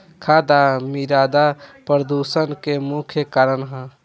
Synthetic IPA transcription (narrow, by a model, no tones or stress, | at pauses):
kʰaːd̪amiɾaːd̪apɾəd̪usənkemukʰjəkaːɾənɦə̃